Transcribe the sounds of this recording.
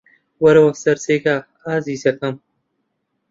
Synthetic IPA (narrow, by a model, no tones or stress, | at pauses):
wɐɾɐwɐsɐɾseːka | aːziːsɐkɐm